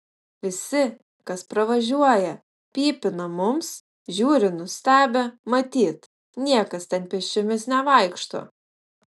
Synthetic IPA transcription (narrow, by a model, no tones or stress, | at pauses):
ʋʲɪsʲɪ | kɐspɾɐʋɐʒʲuɔjɛ | pʲiːpʲɪnɐmʊms | ʒʲuːɾʲɪnʊsʲt̪ʲæːbʲemɐt̪ʲiːt̪ | nʲiɛkɐst̪ʲɛnpʲɛʃʲt͡ʃʲʊmʲɪsnʲɛʋɐɪkʃt̪o̰ː